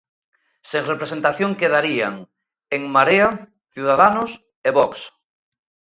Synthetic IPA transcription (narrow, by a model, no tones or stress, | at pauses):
seŋrepɾesent̪aθjoŋkeðaɾia̰ŋ | eŋmaɾea | θjuðaðanʊs | eβɔks